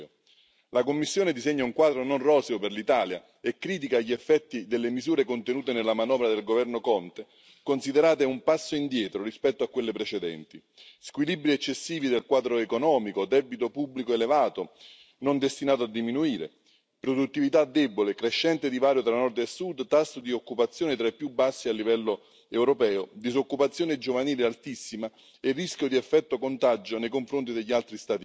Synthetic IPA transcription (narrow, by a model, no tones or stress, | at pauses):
lakomːisːjoːnɪd̪izeɲːauŋkwaːd̪ɾononrɔːseoperlit̪aːlja̰ | ekːɾiːt̪̬ikaʎːiɛfːɛt̪ːid̪elːemizuːɾekont̪enuːt̪enelːamanɔːvɾad̪elɡovɛrnokɔnt̪e | konsid̪eɾaːt̪eumpasːoind̪jɛːt̪ɾorispɛt̪ːoakːwelːepɾet͡ʃɛd̪ɛ̰nt̪i | skwilibɾiɛt͡ʃːesːiːvid̪elkwaːd̪ɾoekonɔːmikod̪ɛbit̪opubːlikoelevaːt̪o | nond̪est̪inaːt̪oad̪ːiminuiːɾḛ | pɾod̪ut̪ːivit̪ad̪ːɛbolekɾeʃːɛnt̪ɪd̪ivaːɾjot̪ɾanːɔrd̪esːud̪t̪asːod̪iokːupat̪sːjoːnɪt̪ɾaipːjubːasːialːivɛlːo | ɛwɾopɛːod̪izokːupat̪sːjoːnɪd͡ʒovaniːlealt̪isːima | ɪrːiskʲjod̪iɛfːɛt̪ːokont̪ad͡ʒonejkoɱfɾont̪id̪eʎːialt̪ɾist̪aːt̪i